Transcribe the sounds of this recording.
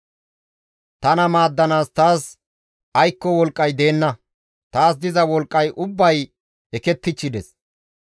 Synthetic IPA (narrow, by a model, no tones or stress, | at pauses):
t̪ɐnɐmaːd̪ːɐnaːst̪aːs | ɐjkːɔwɔlkʼːɐjd̪e̞ːnːɐ | t̪aːs̬d̪ɪzɐwɔlkʼːɐjʔʊbːɐj | ɛkɛt̪ːɪt͡ʃːɪd̪ɛs